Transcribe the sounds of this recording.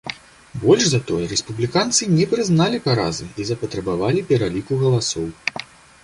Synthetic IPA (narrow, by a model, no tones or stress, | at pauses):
bɔlʲʐzɐt̪ɔjɛɾɛspublʲikant̪sɨnʲɛpɾɨznalʲipaɾa̰zɨizɐpɐt̪ɾɐbavalʲipʲɛɾalʲikuɣɐlˠasɔw